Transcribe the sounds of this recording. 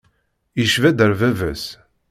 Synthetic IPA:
iʃvæd̪əɾvævæs

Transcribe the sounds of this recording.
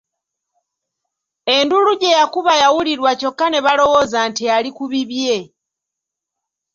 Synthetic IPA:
e̞nduluɟe̞jakuβajawuliɾwaco̞kːane̞βalo̞wo̞zantialikuβiβje̞

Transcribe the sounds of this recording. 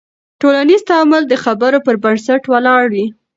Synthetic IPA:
ʈolanizt̪aməld̪əxabəɾopəɾbansaʈwəlɑɽwi

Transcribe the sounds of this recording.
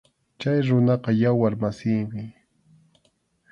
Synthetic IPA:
t͡ʃajɾʊnɑqɑjawaɾmasiːmɪ

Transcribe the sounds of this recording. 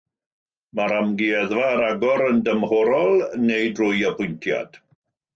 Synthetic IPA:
maɾamɡiɛðvaːɾaɡɔɾəndəmhɔɾɔlˠnejdrʊjapʰʊjntʰja̰d̥

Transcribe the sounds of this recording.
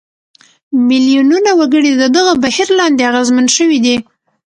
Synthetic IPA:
mɪljununawaɡəɽid̪əd̪əɣəbahiɾlɑnd̪eaɣazmənʃəwid̪i

